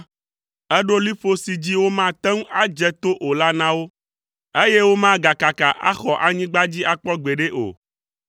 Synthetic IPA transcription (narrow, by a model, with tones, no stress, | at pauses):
ɛ˦ɖo˦li˦fo˦si˨d͡ʑi˦wo˦mã˦t̪ɛ˦ŋ̃˦a˦d͡ʒɛ˦t̪o˦ʔo˨la˦nã˦wo˦ | e˦je˦wo˦mã˦ɡa˨ka˨ka˨ʔa̰˦xɔ˨ʔa˨ɲĩ˦ɡ͡ba˦d͡ʑi˦a˦k͡pɔ˦ɡ͡be˨ɖe˦ʔo̰˨